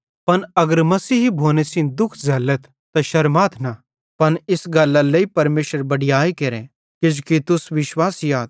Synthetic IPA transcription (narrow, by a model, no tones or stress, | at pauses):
pɐnɐɡəɾmɐsiːɦibʱoːnesɪ̃nd̪ʊkʰzɐlːət̪ːɐʃɐɾmaːt̪ʰnɐ | pɐnɪsɡɐlːaleipɐɾmeːʃəɾbɐɽɪjaːikeːɾẽ | kɪd͡ʒkit̪ʊsʋɪʃwaːsɪjaːt̪